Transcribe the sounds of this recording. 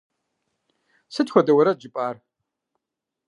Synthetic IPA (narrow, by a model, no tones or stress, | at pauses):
sɨtxʷɔdɐwɐɾɐd͡ʒɪpʼaːr